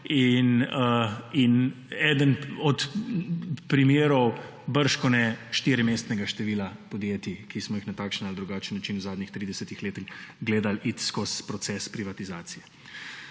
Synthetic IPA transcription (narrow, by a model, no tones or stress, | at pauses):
inəin | ɛːd̪ənɔt̪ | pɾimeːɾɔw | bəɾʃkɔnɛʃt̪iɾimeːst̪nɛɡaʃt̪ɛʋiːlapɔd̪jeːt̪ikismɔjixnat̪aːkʃənald̪ɾuɡaːt͡ʃənːat͡ʃinwzaːd̪nixt̪ɾiːd̪ɛsɛt̪ixleːt̪ixɡleːd̪alʔit̪skɔspɾɔt̪sɛspɾiʋat̪izaːt̪sijɛ